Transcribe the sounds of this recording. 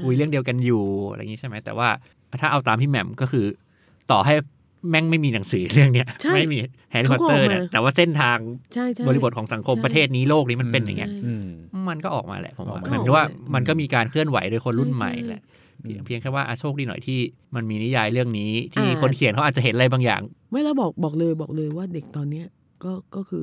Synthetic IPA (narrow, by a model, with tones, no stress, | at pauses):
kʰu˧jɾɯ˥˩əŋdi˧ə˧wka˧njṵː˨˩˧ɾa̰˧jŋi˦t͡ɕʰa˥˩jma˦˥jt̪ɛ̰ː˨˩waː˥˩˧ | t̪ʰaː˥˩ʔa˧wt̪aː˧mt̪ʰiː˥˩mɛ̰˨˩mkɔː˥˩kʰɯː˧ | t̪ɔː˨˩ɦa˥˩j | mɛ˥˩ŋma˥˩jmiː˧na˨˩˦ŋsɯː˩˦ɾɯ˥˩əŋni˦˥əʔma˥˩jmiː˧hɛː˧˥li˦˥˩ɔ˧˥t̪ɤː˥˩ni˦˥˩t̪ɛː˨˩waː˥˩se˥˩nt̪ʰaː˧ŋ˥bɔː˧li˧bo˨˩t̪̚kʰːsa˩˦ŋkʰo˧mpɾa˧t̪ʰeː˥˩t̪̚niː˦˥loː˥˩k̚niː˦˥ma˧npe˧nja˨˩ŋːi˦˥ɐʔma˧nkɔː˥˩ʔɔː˨˩k̚mʔa̰ː˧lɛ̰˧˩ʔpʰo˩˦mɔ̰˨˦˩waː˥˩ma˧nkɔː˥˩miː˧kaː˧nkʰɯ˥˩ənwa̰˩˦jdoː˧jkʰo˧nɾu˥˩nma̰˨˩jlɛ̰˧˩ | pʰi˧əŋpʰi˧ŋkʰaː˥˩jwaː˥˩ʔa˧˩t͡ɕʰoː˥˩k̚iː˧˩nɔ̰˨˩jt̪ʰiː˥˩ | ma˧nmiː˧ni˦˥jaː˧jɾɯ˥˩əŋniː˦˥t̪ʰiː˥˩ko˧nkʰi˨˩˦nkʰa˦wʔa˨˩t͡ɕhe˦nʔa˧jbaː˧ŋja̰ː˨˩ŋma˦˥˩jlɛː˦˥wbɔː˨˩k̚bɔː˨˩k̚lɤː˧jbɔː˨˩k̚lɤː˧jwaː˥˩de˨˩k̚t̪ɔː˧nːi˦˥ɐ | kɔː˥˩kɔː˥˩kʰɯː˧